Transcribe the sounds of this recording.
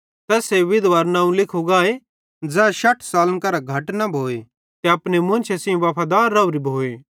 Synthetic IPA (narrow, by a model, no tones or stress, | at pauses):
t̪ɛːseʋɪd̪ʋaːɾnãːũlɪkʰoɡaːe | d͡zɛːʃɐʈʰsaːlənkɐɾaɡʱɐʈnɐbʱoːe | t̪eɐpnemʊ̃nt͡ʃʰesiũʋɐpʰad̪aːɾːɐuɾibʱoːeː